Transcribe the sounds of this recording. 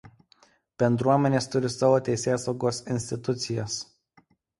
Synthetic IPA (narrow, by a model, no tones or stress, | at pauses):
b̥ʲɛnd̪ɾuɔmʲɛnʲeːst̪ʊɾʲɪsɐʋoːt̪ʲɛɪsʲeːsɐʊɡoːsɪnʲsʲt̪ʲɪt̪ʊt̪sʲɪjɛs